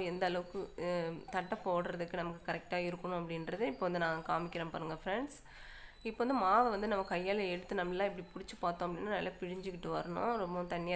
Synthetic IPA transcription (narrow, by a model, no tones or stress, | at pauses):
ɛnd̪ɐɐlɐʋɯkːɯt̪ɐʈːɐpːoːɽɾɐðɯkːɯnɐmɐkːɯkɐɾɛk̚ʈaːɪɾɯkːɐɳʊ̃ɐpːɐɽɪnɾɐðɯɪpːoːʋɐnd̪ɯnãːkaːmɪkːɪɾɐmpɐɾːɯŋɡɐfɪɾɛɳɖs | ɪpːoːʋɐnd̪ɯmaːʋɐʋɐnd̪ɯnɐmːɐkːɐjːɐːlɐɛɽɯt̪ːɯnɐmːɐllːãːɪpːɐɽipʊɽɪt͡ʃːɯpaːɾt̪ːõɐpːɐɽɪnːaːnaːɪlːaːpɪɻɪɲd͡ʒɯkːɪʈːɯʋɐɾɐɳʊ̰̃ɾɔmbɐ̃t̪ɐɳːɪjaː